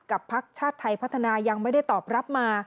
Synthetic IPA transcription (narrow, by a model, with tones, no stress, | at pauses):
ka˨˩pʰːa˦˥k̚t͡ɕʰaː˥˩t̪ʰːa˧jpʰa˦˥t̪ʰːa˧naː˧ja˧ŋma˥˩jda˥˩jt̪ɔː˨˩p̚ɾa˦˥p̚maː˧